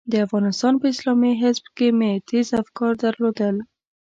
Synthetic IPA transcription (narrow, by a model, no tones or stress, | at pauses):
d̪əafɣɑnɪst̪ɑnpəɪslɑmiɦɪzbkemet̪izafkɑɾd̪aɾlod̪əl